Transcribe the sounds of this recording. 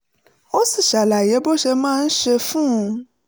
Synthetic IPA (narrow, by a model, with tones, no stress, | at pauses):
wo˦si˦˨ʃa˨la˨je˨˦bo˦ʃe˧mã˦˨n̩˦ʃe˧fũ˦˧